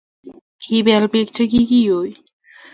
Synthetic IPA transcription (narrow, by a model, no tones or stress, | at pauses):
hibɛlpekt͡ɕʰekikioj